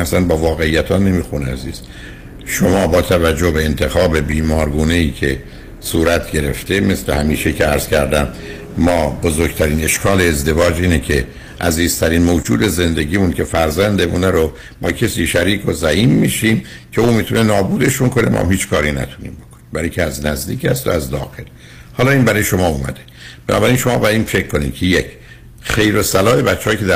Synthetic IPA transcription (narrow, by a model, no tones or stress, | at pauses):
æsænbɒːvɒːɣe̞ijːæt̪ʰɒːne̞miːxuneæzḭːz̥ | ʃomɒːbɒːt̪ʰævæd͡ʒːohbe̞ent̪ʰe̞xɒːbe̞biːmɒːɾɡuːne̞iːcʰe̞ | suːɾæt̪ʰɟe̞ɾe̞̰ft̪ʰe̞me̞sle̞hæmiːʃecʰeæɾz̥cʰæɾd̪æmː | ɒːbozoːɾɡt̪ʰæɾiːne̞ʃkʰɒːleːzd̪e̞vɒːd͡ʒiːnecʰe | ʔæ̰ziːz̥t̪ʰæɾiːnmoːd͡ʒṵːd̪e̞ze̞nd̪e̞ɟiːmuncʰe̞fæɾzænd̪e̞munæɾo | mɒːcʰesiːʃæɾiːkozæhimːiːʃiːmcʰe̞uːmiːt̪ʰunenɒːbuːd̪e̞ʃunkʰo̞nemɔ̰mhiːt͡ʃkʰɒːɾinæ̰t̪ʰu̥nḭːmbo̞kʰonimbæɾicʰeæznæzd̪iːchæst̪o̰æzd̪ɒ̰ːxel | hɒːlɒːiːnbæɾːjeʃo̞mɒːumæ̰d̪e | b̥enʔɒ̰ːbæɾinʃo̞mɒːbæiːnfe̞kkːo̞nḭːmcʰejecʰ | χe̞jɾosælɒːe̞bætt͡ʃːehɒːjkʰeæ